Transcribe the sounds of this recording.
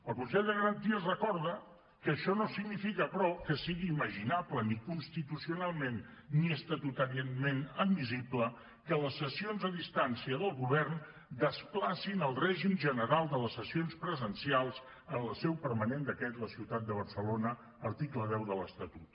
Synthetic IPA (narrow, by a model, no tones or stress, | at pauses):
əlˠkunsɛʎd̪əɣəɾənt̪iəzrəkɔɾðə | kəːʃɔnosiɡnifikəpɾɔkəsiɣiːməʒinaplənikunst̪it̪usiunalˠmenː | iəst̪ət̪ut̪əɾmenəd̪miziblə | kələsːəsionzəðist̪ansiəðəlˠɣuβɛrn | d̪əsplasinəlˠrɛʒimʒənəɾalˠd̪ələsəsionspɾəzənsialˠz | ənləsɛwpəɾmənend̪əkɛt̪ləsiwt̪at̪̚d̪əβ̞əɾsəlonəː | ɾt̪ikləðɛwðələst̪ət̪ut̪